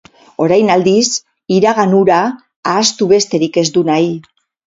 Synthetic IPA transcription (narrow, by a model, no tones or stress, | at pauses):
o̞ɾajnald̪is | iɾaɣanuɾaː | st̪uβe̞st̪e̞ɾike̞zd̪unaj